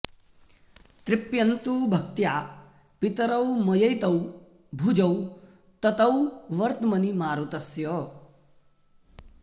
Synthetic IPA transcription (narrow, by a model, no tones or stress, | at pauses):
t̪ɾɪpjɐnt̪ubʱɐk̚t̪jaː | pit̪ɐɾɐwmɐjɐjt̪ɐw | bʱud͡ʒɐw | t̪ɐt̪ɐwʋɐɾt̪mɐnimaːɾut̪ɐsjɔ